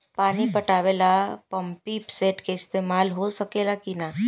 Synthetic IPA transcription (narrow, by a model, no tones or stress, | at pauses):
paɽ̃ipəʈaʋelapəmpipseʈkeist̪emalɦosəkelakina